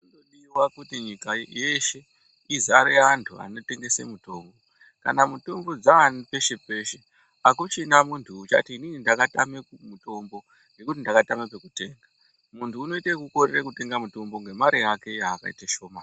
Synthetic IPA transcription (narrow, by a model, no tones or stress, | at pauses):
undoɗiwakutiɲikaje̞ʃe̞ | izaɾeantʰua̰no̞te̞ŋɡe̞sḛmuto̞ːmbo̞ | ka̰namuto̞mbo̞d͡zaːnipe̞ʃe̞pe̞ʃe | akut͡ʃinamuntʰuːt͡ʃa̰tiːninindakatamekumuto̞mbo̞ | ŋɡe̞kut̬indakatamepekute̞ːŋɡa | muntʰuːno̞itekuko̞rerekute̞ŋɡamuto̞mbo̞ŋɡe̞maɾijake̞jaːka̰ḭtaʃo̞ːma